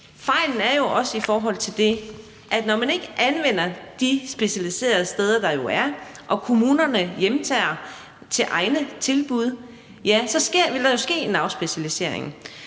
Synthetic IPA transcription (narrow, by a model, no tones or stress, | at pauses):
fɑ̈ɪ̰ln̩æɐjo̝ʔɒ̽səifɒːɦɒ̽l̰t͡sʰe̝ld̥e̝ | ʔæd̥nɒmæne̝ɡ̥əʔænʋen̰ɐd̥isb̥e̝ɕælise̝̰ːɐð̞̩ˠəsd̥eːð̞ˠɐd̥ɑ̈jo̝æɐʔɒ̽kʰo̝muːnɐnəjemt͡sʰɛ̰ːɐ | t͡sʰe̝ʔɑ̈ɪnət͡sʰe̝lb̥uð̞ˠ | jæsɒ̽sɡ̥e̝ɐ̰ʋe̝ld̥ɑ̈jo̝sɡ̥e̝̰ːe̝nɑ̈ʊsb̥e̝ɕælise̝̰ɐ̰eŋ̩